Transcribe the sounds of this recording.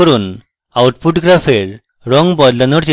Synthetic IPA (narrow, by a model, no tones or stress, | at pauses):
əɾuːn | awʈpuʈɡɾafeɾ | ɾɔ̃ŋɡbɔd̪lɔnəɽt͡ɕe